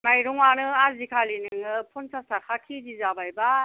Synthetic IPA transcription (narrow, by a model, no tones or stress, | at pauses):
majɾɔŋwanɯazikʰalinɯŋɯpʰunsasakʰakʰidizabajba